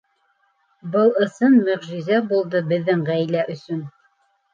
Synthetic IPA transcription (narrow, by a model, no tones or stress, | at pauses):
bɤlˠɤ̆sɤnmɵ̆ʁʒĭzæbulˠd̪ɤbɘ̆ðːɘŋʁæjlæʔɵ̆sɵn